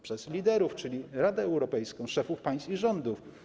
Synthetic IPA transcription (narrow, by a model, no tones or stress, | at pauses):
pʂɛzlʲid̪ɛɾuft͡ʂɘlʲiɾad̪ɛːwɾɔpɛjskɔ̃w̃ʂɛfufpaj̃st̪iʐɔnd̪uf